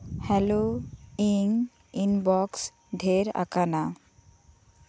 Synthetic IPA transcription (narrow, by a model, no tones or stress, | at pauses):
hɛloiŋ | inbɔks | ɖʱeɾa̰kana